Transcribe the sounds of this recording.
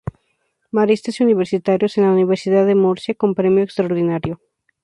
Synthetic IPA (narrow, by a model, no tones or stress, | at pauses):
maɾist̪esuniβeɾsit̪aɾjosenlauniβ̞eɾsiðaðemoɾsjakompɾe̞mjoekst̪ɾaoɾðinaɾjo